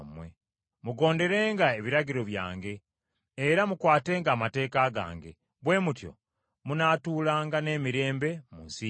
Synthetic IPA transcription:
mwe | muɡo̞ːnde̞ɾe̞ːŋɡae̞βiɾaɟiɾo̞βja̰ːŋɡe̞ː | ɾamukwaːte̞ːŋɡaːmate̞ːkaɡa̰ːŋɡe̞̰ | βwe̞ːmutjo̰ | munaːtuːlaːŋɡane̞ːmiɾe̞ːmbe̞munsi

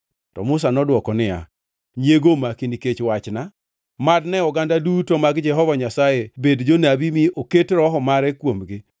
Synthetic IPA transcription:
tɔ̰mʊsanɔdwɔkɔnɪa̰ | ɲeɡomakindiket͡ʃwat͡ʃna | madnɛɔɡandadutomaɡd͡ʒɛɦɔvaɲasajebedd͡ʒonabimiʔoketɾɔɦɔmaɾɛkwomɡɪ

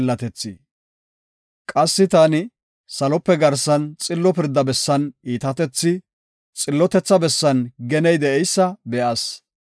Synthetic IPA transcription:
lːɐt̪ɛt͡sːɪ | kʼɐsːɪt̪aːnɪ | sɐlɔpːɛɡɐɾsɐnt͡sʼɪlːɔpɪɾd̪ːɐbɛsːɐniːt̪ɐt̪ɛt͡sːɪ | t͡sʼɪlːɔt̪ɛt͡sːɐbɛsːɐnɡɛnɛjd̪ɛʔɛjsːɐbɛʔɐs

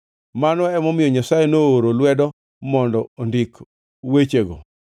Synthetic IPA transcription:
manɔɛmɔmɪjɔɲasajenooɾolwɛdɔ | mɔndɔondik | wet͡ʃeɡɔ̰

